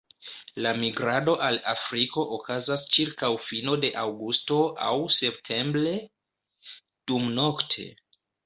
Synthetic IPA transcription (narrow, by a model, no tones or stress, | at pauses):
lamiɡɾado̞ʔala̰fɾiko̞ʔokazast͡ʃiɾkawfino̞de̞ʔawɡusto̞ʔa̰wse̞p̚tʰe̞mbɾe̞ | d̥umno̞ktʰe̞̰